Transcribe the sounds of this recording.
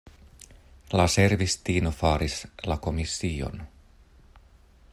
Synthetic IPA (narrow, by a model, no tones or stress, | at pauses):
laseɾvist̪iːnofaːɾislako̞misːiːo̞̰n